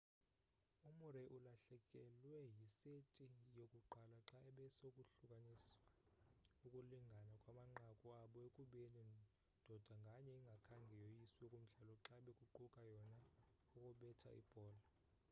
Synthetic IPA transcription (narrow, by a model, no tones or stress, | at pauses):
umuɾɛʔulaɬɛkʼɛlwɛjisetʼijokʼuǃalaǁaɛɓɛsokʼuɬukʼaniswa | ukʼuliŋɡʱanakʼwamaŋ͡ǃakʼuaɓɔekʼuɓeni | d̥ʱɔd̥ʱaŋɡʱaɲɛiŋɡʱakʰaŋɡʱɛjɔjisiokʼum̩ɮalɔǁaɓɛkʼuǃukʼajɔna | ukʼɔɓɛtʰa̰ʔḭb̥ʱɔːla